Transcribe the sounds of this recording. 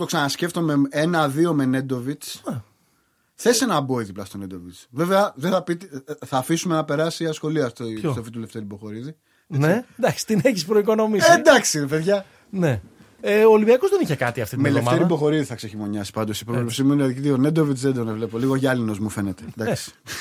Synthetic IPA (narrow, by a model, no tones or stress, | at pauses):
t̪o̞ksɐnɐsce̞ft̪o̞meenɐðio̞me̞ne̞d̪o̞vit͡s | θe̞senɐboiðiplɐst̪o̞ned̪o̞vit͡sve̞veɐðeθɐpit̪θɐːfisume̞nɐpe̞ɾɐsiɐsxo̞liɐft̪st̪ofit̪ule̞ft̪eɾibo̞xo̞ɾiði | end̪ɐksi̥t̪ineçispɾoiko̞no̞mied̪ɐksineve̞ðʝɐ | ne | eoːlibiɐkozðeniçekɐt̪iɐft̪imelemeɾibo̞xo̞ɾiðiθɐkse̞çimo̞ɲɐsi̥pɐnd̪osi̥pɾovlipsimuniɐðɐt̪io̞ne̞nd̪o̞vit͡sðed̪o̞nevle̞po̞liɣo̞ʝɐlino̞zmufe̞net̪ed̪ɐksi̥